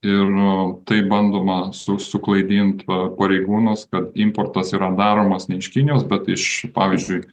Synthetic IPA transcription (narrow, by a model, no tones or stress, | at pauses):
ɪrt̪ɐɪbɐnd̪oːmɐsʊsʊklˠɐɪd̪ʲiːnt̪pɐɾʲɛɪɡuːnʊskɐt̪ɪmport̪ɐsiːɾɐd̪ɑːɾoːmɐsnʲɛɪʃkʲɪnʲɪjoːsbʲɛt̪ɪʃpɑːʋʲizʲd͡ʒʲʊɪ